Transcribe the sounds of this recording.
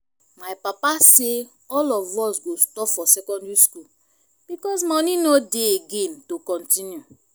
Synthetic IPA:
majpapase | ɔlɔvɔsɡostɔpfɔsɛkɔ̃ndɹiskul | b̥ikɔs̬mɔnĩnodeeɡẽntokɔ̃ntĩnju

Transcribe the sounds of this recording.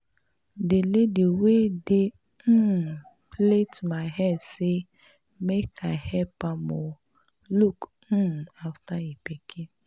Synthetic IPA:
delediwedɪ | m̩ | pletmaɪɦɛsɪ | mekʰahɛpamɔ | luk̩ | aftaipekʰe

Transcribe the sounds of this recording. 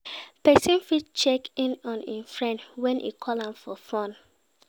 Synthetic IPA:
pɛsĩnfit͡ʃɛkĩnɔ̃nĩnfɹɛ̃ntwɛ̃nʔḭkʰɔlãmfɔfɔ̃n

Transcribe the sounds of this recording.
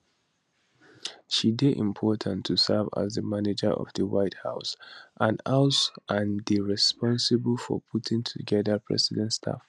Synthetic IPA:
ʃidɪdʔɪ̰̃mpʰɔɹtʰə̃ntʰːusɛva̰zðəmanɪd͡ʒə˞ɔ̰vdəwaɪthaʊsʔãnaʊsʔãndiɹɛspʰɔ̃nsɪbəlfɔ̰pʰutʰɪ̃ŋtʰuɡɛðəpʰɹɛ̰sɪdɛ̃ntstʰa̰f

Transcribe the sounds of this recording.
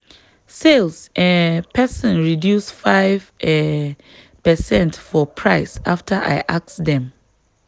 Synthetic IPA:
selsɛ̃npʰɛsɔ̃nɹidjusfaɪv̥ɛ | pɛsɛ̃ntfɔpʰɹaɪsaftʰaʔa̰ɪʔak̚sdɛ̃m

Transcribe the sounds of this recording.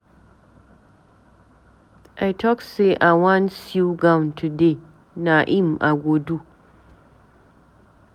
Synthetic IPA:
ʔajtʰɔkseʔawãnsuɡaw̃ntʰude | naʔimʔa̰ɡʷodu

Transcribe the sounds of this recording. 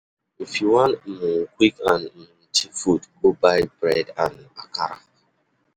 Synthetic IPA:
m̩fiwãn̩mŋ̩kʷikãn̩m̩tifutbobajbɾɛdã̰nakaɾa̰

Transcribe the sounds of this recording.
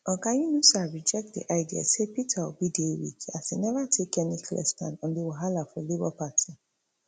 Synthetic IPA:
ɔ̃kãjũnusaɹid͡ʒɛk̚t̚dḭʔaɪdia̰sepitʰawubidewḭkasinɛvatʰekɛnikʰlɛ̰stã̰nɔ̃ndewoɦalafɔlebɔpatʰi

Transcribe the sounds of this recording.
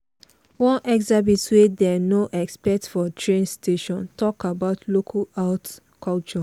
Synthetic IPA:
wɔ̃nʔɛksabitswedɛnoʔɛkspɛtfɔtʰɹẽnstʰeʃɔ̃ntʰɔkabaʊtʰlokʰaaʊt | kʰɔlt͡ʃɔ

